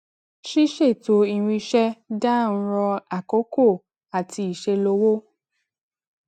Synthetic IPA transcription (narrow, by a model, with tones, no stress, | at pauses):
ʃi˦ʃe˦˨to˨˧i˧ɾ̃ĩ˧ʃɛ˦da˦n̩˦ɾɔ˧a˨ko˨˦ko˦˨ | a˨ti˧i˨ʃe˧lo˧wo˦